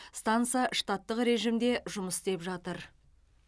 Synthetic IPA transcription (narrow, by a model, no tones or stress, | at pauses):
st̪ant̪sijaʂt̪ɑt̪ːəqɾe̞ʒimd̪e̞ʒʊməsst̪e̞pʒɑt̪əɾ